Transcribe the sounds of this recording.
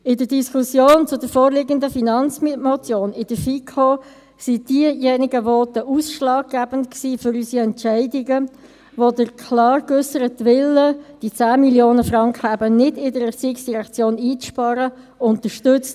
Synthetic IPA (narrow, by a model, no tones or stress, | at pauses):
ɪdədiskʰusjoːnt͡sʊdəɾfoːɾlɪɡəndəfinɑnt͡smmot͡sjoːnɪd̥əfikʰo | sid̥iəjɛnɪɡəvoːtəʔuːsʃlɑːɡ̚ɡ̥æb̥əntksiːfʏɾysiɛnt͡ʃæɪdɪɡə | ʋodəɾkʰlɑːɾkʏsəɾətʋɪlːəd̥it͡sæːmiljoːnəfʁɑŋkχəæbənɪdɪdəɾət͡siːksd̥iʁɛkt͡sjoːniːt͡sʃpɑɾə | ʊntəʃtʏt͡st